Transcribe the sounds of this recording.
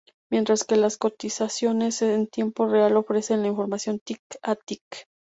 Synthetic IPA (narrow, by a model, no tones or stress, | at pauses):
mje̞nt̪ɾaske̞lasko̞t̪isasjo̞ne̞sent̪je̞mpo̞realo̞fɾe̞se̞nlaiɱfo̞ɾmasjo̞nt̪ikat̪ik